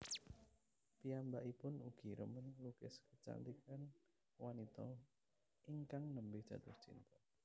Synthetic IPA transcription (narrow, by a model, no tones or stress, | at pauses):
piambaʔipʊnuɡ̥i̤ɾə̰mənlukɪskət͡ʃa̰nt̪ikan | wanit̪ɔ | iŋkaŋnəmbɪhd̥ʒ̥ä̤t̪ʊht͡ʃḭnt̪ɔ